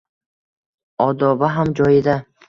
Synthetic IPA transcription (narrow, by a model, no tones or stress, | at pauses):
ɒd̪ɒbaɦamd͡ʒɒjɪd̪a